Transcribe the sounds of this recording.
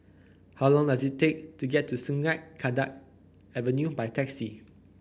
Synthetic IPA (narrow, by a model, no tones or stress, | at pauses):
hawlɔ̃ŋdazittːek̚tuɡɛtʰːusuŋat̚kʰadak̚ | ɛvənjubajtʰɛksi